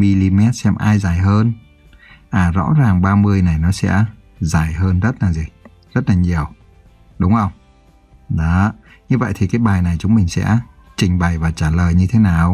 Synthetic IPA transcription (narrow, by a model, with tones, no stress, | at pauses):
mi˧li˧mɛ˦˥t̚sɛ˧mʔaː˧jzaː˨˩jɦəː˧n | ʔaː˨˩zɔ̰˧˥zaː˨˩ŋɓaː˧mɨ˧əjna˨˩jnɔ˨˦sɛ̰˧˥ | zaː˨˩jɦəː˧nzə˦˥t̚laː˨˩zi˨˩ | zə˦˥t̚laː˨˩ɲi˨˩əw | ɗʊ˨˦wŋ͡mʔə˧wŋ͡m | ɗɔ˨˦ | ɲɨ˧və̰˧˨jt̪ʰi˨˩kaː˨˦jɓaː˨˩jna˨˩jt͡ɕʊ˨˦ŋ͡mmï˨˩ŋ̟sɛ̰˧˥ | t͡ɕï˨˩ŋ̟ɓa˨˩jvaː˨˩t͡ɕaː˧˩ləː˨˩jɲɨ˧t̪ʰe˨˦naː˨˩w